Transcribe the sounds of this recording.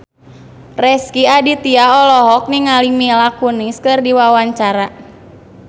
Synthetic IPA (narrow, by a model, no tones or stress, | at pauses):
rɛskiadit̪iaɔlɔɦɔk̚niŋalimilakuniskɨrdiwawaɲt͡ʃaɾa